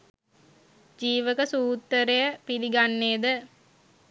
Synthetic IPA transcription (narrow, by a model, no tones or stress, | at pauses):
d͡ʒiːʋəkəsuːt̪ːəɾejəpiliɡanːeːd̪ə